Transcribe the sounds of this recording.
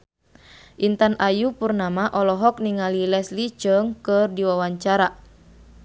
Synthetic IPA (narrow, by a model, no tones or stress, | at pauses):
ʔint̪anʔajupurnamaʔɔlɔɦɔk̚niŋalilɛslit͡ʃəŋkərdiwawaɲt͡ʃaɾa